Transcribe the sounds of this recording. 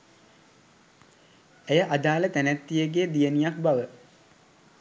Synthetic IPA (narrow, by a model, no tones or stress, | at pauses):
ejəʔad̪aːlət̪ænæt̪ːijəɡed̪ijənijak̚baʋə